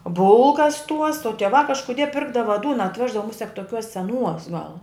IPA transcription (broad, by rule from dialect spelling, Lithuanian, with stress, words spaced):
ˈbʊlˠkɐs tuɔs oː tʲiɛˈʋɐ kɐʃkʊˈdʲiɛ ˈpʲɪrɡdɐʋɐ ˈduːnɐ ɐtʲˈʋʲæːʒdɐʋɐ ˈmʊsʲɛk toːˈkʲuɔs sʲɛˈnuɔs ɡɐlˠ